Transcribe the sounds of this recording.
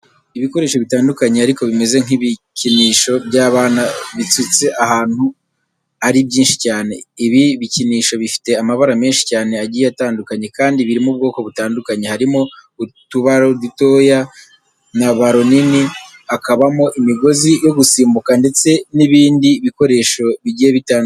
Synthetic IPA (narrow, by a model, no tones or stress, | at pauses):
iβiko̞ɾeːʃo̞βitaːndukaɲe̞aɾiko̞βime̞ze̞ŋ̥iβiciniːʃo̞bɟaːβaːnaβit͡sut͡seʔahaːn̥hu | aɾibɟiːnʃi̥caːne̞iβiβiciniːʃo̞βifi̥te̞amaβaɾame̞ːnʃi̥caːne̞aɟiːjeataːndukaɲe̞kaːndiβiɾimub̚ɡo̞ːko̞βutaːndukaɲe̞haɾimoutuβaɾo̞dito̞ja | naβaɾo̞nini | akaβamo̞ʔimiɡo̞zijo̞ɡusiːmbukande̞t͡se̞niβiːndiːβiko̞ɾe̞ːʃo̞βiɟijeβitaːnd